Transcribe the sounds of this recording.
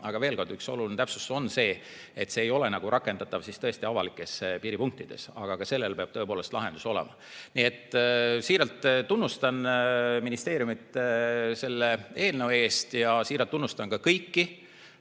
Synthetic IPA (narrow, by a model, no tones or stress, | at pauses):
ɑɡ̥ɑve̞ːlkord̪̥ykso̞̰lulint̪æpsu̥so̞nːse̞ː | et̪se̞ːjo̞le̞nɑɡ̥uɾɑkːˑe̞nd̪̥ɑt̪ːˑɑvsist̪ɤ̞est̪iɑvɑlikːˑe̞spiːɾipuŋk̚t̪id̪̥e̞̰sɑ̰ɡ̥ɑkɑse̞lːelpeɑb̥̪̚ɤ̞epoːle̞st̪lʔɑɦe̞nd̪̥u̥so̞lḛmɑ | nie̞t̪ːˑsiːɾɑlt̪ˑt̪unːust̪ɑnminist̪e̞ːɾjumit̪ːse̞lːee̞ːlnəwe̞ːst̪jɑsiːɾɑlt̪ːunːust̪ɑnkɑkɤjkːi